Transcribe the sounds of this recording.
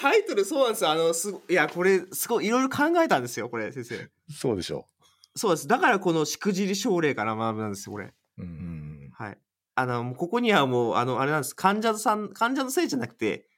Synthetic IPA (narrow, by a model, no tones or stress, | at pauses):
t̪ait̪o̞ɾɯ̟so̞ːnãnd̪esjoano̞sɨɡojako̞ɾe̞sɨɡo̞iiɾo̞iɾo̞kʰãŋɡae̞t̪ãnd̪e̞sɨjo̞ko̞ɾe̞sẽ̞ɰ̃se̞̰ː | soːd̪e̞ɕo̰ | so̞ːd̪esɨd̪akaɾako̞no̞ɕi̥kɯ̟ʑiɾɯɕo̞ːɾe̞ːkaɾamabɯnãnd̪e̞sɨjo̞ko̞ɾḛ̃ | haḭ | ano̞moko̞ko̞ɲ̟iβamoːa̰no̞aɾe̞nãnd̪esokʰãɲ̟d͡ʑasãnkʰãɲ̟d͡ʑanose̞ːʑanakɯ̟̥t̪e̞̰